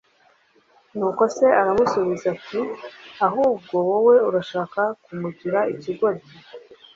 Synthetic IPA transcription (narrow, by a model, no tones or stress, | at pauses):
nuːko̞se̞ʔaɾamusuβizakiaɦuːb̚ɡo̞wowe̞uɾaʃaːkakumuɟiɾaiciɡo̞ɾe